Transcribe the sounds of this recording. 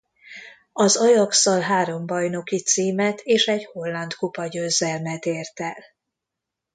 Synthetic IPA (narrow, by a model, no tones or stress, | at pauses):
ɒzɒjɒksɒlɦaːɾo̞mbɒjno̞kit̪siːmɛt̪ʰeːʃɛɟho̞lːɒnd̪kupɒɟøːzːɛlmɛt̪eːrt̪ɛl